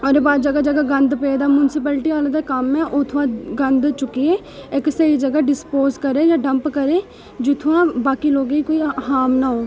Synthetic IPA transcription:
oɾebaːd͡ʒəɡaːd͡ʒəɡaːɡənd̪ped̪aːmʊnɪsɪpɛːlʈiːaːleːd̪aːkəmɛːʔoːt̪ʰʊãːɡənd̪t͡ʃʊkieː | ɪksəiːd͡ʒəɡaːɖɪspoːzkəɾeːd͡ʒãːɖəmpkəɾeː | d͡ʒoːt̪ʰʊãːbaːkiːloːɡiːkoːiːɦaːmnaːɦoː

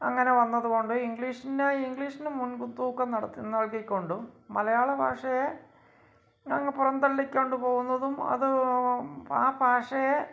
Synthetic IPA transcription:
ɐŋːɐne̞ʋɐnːɐðuɣo̞ɳɖɨiŋɡɭiːʂineiŋɡɭiːʂinɨmunkunt̪uːkːɐnɐɽɐt̪ːinːɐɭkikʲːo̞ɳɖuːɐlɐjaːɭɐbʱaːʂɐje | ɐŋːɐpurɐnd̪ɐlːikʲːoːɳɖɨpo̞ːɣunːɐðumɐ̰ðɨ | aːbʱaːʂɐje

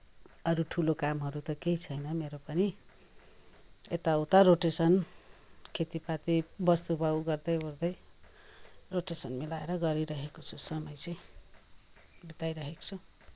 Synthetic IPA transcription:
ʌɾuʈʰulokamɦʌɾut̪ʌkeɦit͡sʰʌjnʌmeɾopʌni | ḛt̪awt̪aɾoʈesʌn | kʰet̪ipat̪ibʌst̪ubʱawɡʌrd̪ʌjord̪ʌj | roʈesʌnmilaeɾʌɡʌɾiɾʌɦekot͡sʰusʌmʌjt͡sʌj | bit̪ajɾʌɦeko̥t͡sʰu

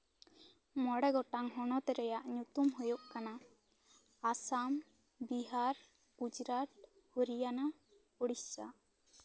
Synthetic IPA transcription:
mɔɽɛɡɔʈaŋɦɔnɔt̪ɛɾɛjaʔɲut̪umɦujuʔkana | asam | biɦaɾ | ɡ̥ud͡ʒɾat̪̚ | hoɾijana | uɽisːa̰

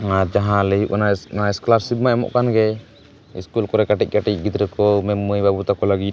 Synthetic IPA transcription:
aɾd͡ʒaɦãlɛjuʔananaɛskɔlaɾsib̪̚maɛmɔ̰ʔkanɡɛ | ḭskulkɔɾɛkaʈic̚ˀkaʈic̚ɡit̪ɾɛkɔmɛməjbabut̪akɔləɡit̪̚

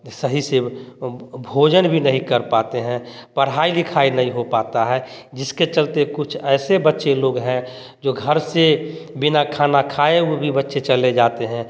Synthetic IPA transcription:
səɦise | bʱoːd͡ʒənbʱinəɦĩkəɾpaːt̪eɦɛ̃pəɽɦaːilɪkʰaːinɐɦĩɦopaːt̪aɦɛːd͡ʒɪsket͡ʃəlt̪ekʊt͡ʃʰɛːsebətːʃeloːɡɦɛ̃ | d͡ʒoːɡʱəɾsebɪnakʰaːnakʰaːeubʱibətːʃet͡ʃəled͡ʒaːt̪eɦɛ̃

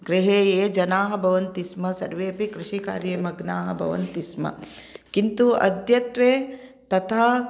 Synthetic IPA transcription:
ɡɾiɦeːjeːd͡ʒɐnaːɦɐbʱɐʋɐnt̪ismɐsɐɾʋeːpikɾɪʃika̰ːɾjeːmɐɡnaːɦɐ̆bʱɐ̰ʋɐ̰nt̪ismɐ̰kint̪uɐ̰d̪ʱjɐt̪ʋeːt̪ɐt̪ʰaː

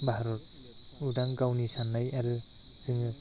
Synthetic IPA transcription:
baɦaɾɔt̚udaŋɡawnisanːajaɾɯ | z̥ɯŋɯ

